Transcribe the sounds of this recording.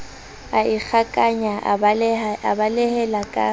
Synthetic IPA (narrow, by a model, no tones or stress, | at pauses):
aik͡xʰakʼaɲa | a̰balɛhɛlakʼa̰